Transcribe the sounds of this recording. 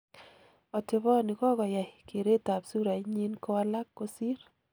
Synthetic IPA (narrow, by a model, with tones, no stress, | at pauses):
ɔ˨tɪ˨βɔ˦nɪ˨kɔ˦ɣɔ˨ja˨jke˨ɾe˦ta˨psu˦ɾa˨ɲi˦nko˦wa˦la˦kːo˦si˦ɾ